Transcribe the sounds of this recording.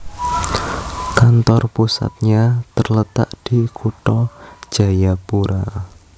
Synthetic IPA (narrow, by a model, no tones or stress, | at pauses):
kant̪ɔrpusa̰t̪̚ɲat̪ərlət̪a̰ʔd̥ikʰuʈɔ̥ʒ̥a̤japuɾa